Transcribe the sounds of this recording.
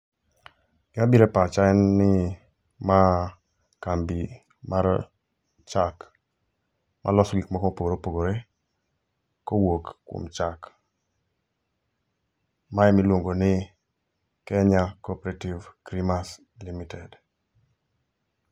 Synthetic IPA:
ɡabiɾɛpat͡ʃaɛnːɪ | ma | kambi | maɾ | t͡ʃak | mʔa̰lɔsɔɡikmɔkmopoɡoɾopoɡoɾɛ | kowokkːo̰mt͡ʃak | maɛmilwoŋɡonɪ | kɛɲakopɾativkɾimas | limitɛd

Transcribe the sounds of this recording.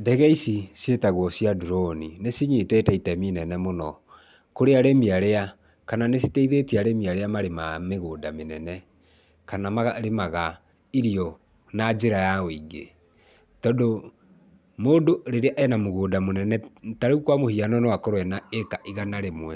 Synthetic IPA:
dɛɣɛisisjetaɣwɔsjaduɾɔninesiɲetɛtɛitɛminɛnɛmonɔ | koɾeaɾemiaɾea | kananesi̥teiðetiaɾemiaɾeamaɾemameɣoːdamenɛnɛ | kanamaɾemaɣa | iɾiɔ | nad͡ʒeɾajawiɡe | tɔdo | moːdoɾeɾeaʔɛnamoɣoːdamonɛnɛtaɾeukwamohianɔnewakoɾwɛnaekaʔiɣanaɾemwɛ

